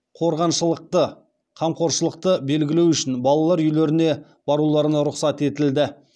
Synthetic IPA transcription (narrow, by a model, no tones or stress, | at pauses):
qʰo̞ɾʁɑnʃəlˠəq̚t̪ə | qʰɑmqʰo̞ɾʃəlˠəq̚t̪əbe̞lɡʲɪlewʏʃɪnbɑlˠɑlˠɑɾjʏjleɾɪne̞ | b̥ɑɾulˠɑɾənɑɾʊqsɑt̪e̞t̪ɪld̪ɪ